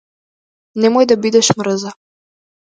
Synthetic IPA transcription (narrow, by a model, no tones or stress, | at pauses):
nɛmojd̪abid̪ɛʃmɾəza